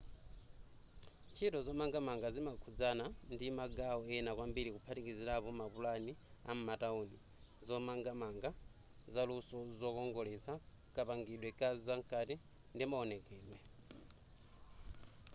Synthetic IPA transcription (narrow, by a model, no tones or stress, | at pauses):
t͡ʃʰitɔzɔmaŋɡamaŋɡazimakʰud͡zanandimaɡaɔɛnakwambiɾikupʰatikiziɾapɔmapulania̰m̩matauni | zɔmaŋɡamaŋɡa | zalusɔzɔkɔŋɡɔlɛt͡sʰa | kʼapaŋɡiɗwɛkʼazaŋkʼati | ndimaɔnɛkɛːɗwɛ